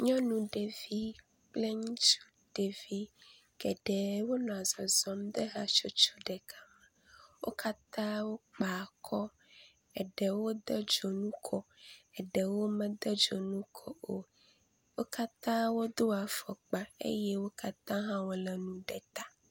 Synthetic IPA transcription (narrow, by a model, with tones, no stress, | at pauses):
ɲɔ̃˦nũ˨ɖe˨vi˦ | k͡ple˦ŋũ˦t͡ʃu̥˦ | ɖ̥e˨vi˦ | ɡ̥ɛ˨ɖɛ˨wo˦nɔ̃˨a˨zɔ˨zɔ˦md̪ɛ˦ɦa˦t͡ʃo˦t͡ʃo˦ɖɛ˨ka˦mã˨ | wʔo̰˦ka˦t̪ã˦wo˦k͡pa˨kʰɔ˦ | ɛ˨ɖɛ˨wo˦d̪ɛ˦d͡ʒo˨nũ˦kʰɔ˦ɛ˨ɖɛ˨wo˦mɛ̃˨d̪ɛ˦d͡ʒo˨nũ˦kʰɔ˦o˦ | wo˦ka˦t̪ã˦wo˦d̪o˦a˨fɔ˨k͡pã˨ḛ˦jɛ˦wo˦ka˦t̪ã˦ɦã˦wo˦lɛ˨nũ˨ɖɛ˨t̪a˦